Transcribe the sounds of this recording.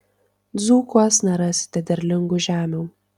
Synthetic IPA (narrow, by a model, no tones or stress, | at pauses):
d̪zuːkuɔsnʲɛɾɑːsʲɪ̥t̪ʲɛd̪ʲɛɾʲlʲɪŋɡʊʒʲæːmʲuː